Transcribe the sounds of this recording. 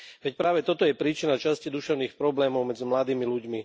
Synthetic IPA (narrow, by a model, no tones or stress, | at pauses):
ʋɛcpɾaːʋɛt̪ɔt̪ɔjɛpɾiːt͡ʃinat͡ʃascɛd̪uʃɛʊniːxpɾɔblɛːmɔʊmɛd͡zimlad̪iːmiluɟmi